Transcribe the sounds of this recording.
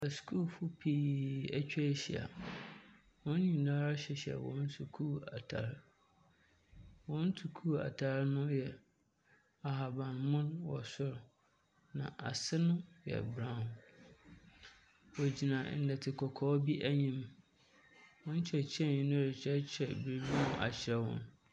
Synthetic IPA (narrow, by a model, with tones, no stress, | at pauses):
ɛ˨skʰu˦˨lfʊ˦pʰi˦˨æ˦t͡ɕᶣɛ˦ɕi˨a̰˨ | wɔ̃˦n˦ɲĩ˨da˦ɾa˦ɕɛ˨ɕɛ̰˨wɔ̰̃˨˦n̩˦tʰu˨kʰu˦˨a̰˨tʰa̰˨ɾ | wɔ̃˦n̩˦tʰu˨kʰuː˦˨a̰˨tʰa˨˦ɾnʊ̃˦jɛ˨ | a˨ɦa˨bã˨nmʊ̃˦nwɔ˨sʊ˦ɾ | nã̰˨ʔa̰˨sɪ˦nʊ̃˦jɛ̰˨bɾã˦˨h | wɔ˨d͡ʑi˨nã˨n̩˨dɛ˨tʰɪ˨kʰɔ˨kʰɔː˦bi˦ʔæ˦ɲĩ˦m | wɔ̃˦n̩˦t͡ɕʰɛ˨t͡ɕʰɛ˦˨ɲĩ˨nʊ̃˦ɾɪ˨t͡ɕʰɛ˦t͡ɕʰɛ˨bɾi˨bi˦nʊ̃˦ʔa̰˨t͡ɕʰɪ˨˦ɾɛ˦wɔ̰̃˦n